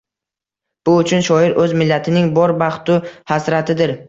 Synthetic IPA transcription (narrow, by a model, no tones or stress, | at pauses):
b̥ʊʊt͡ʃʰʊnʃɒɪɾʔɵzmɪlːat̪ʰɪnɪŋbɒɾbaχt̪ʊhasɾat̪ʰɪd̪ɪɾ